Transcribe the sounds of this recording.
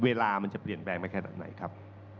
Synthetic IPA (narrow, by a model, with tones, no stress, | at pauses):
weː˧laː˧ma˧nt͡ɕa˨˩pli˨˩ənplɛː˧ŋma˧˩kʰa˧na̰ː˨˩p̚na̰˩˦jkʰa˦˥p̚